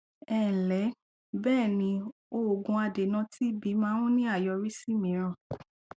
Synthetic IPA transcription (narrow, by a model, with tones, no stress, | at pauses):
ɛ˦˨n̩˨lɛ˨˦ | bɛː˦˨nĩ˧˦ | o˦o˨ɡũ˧a˧de˨nã˧ti˦bi˨˧˦mãː˦w̃ũ˦nĩ˦a˦˨jɔ˧ɾi˦si˦˨mĩ˨˦ɾ̃ã˧˨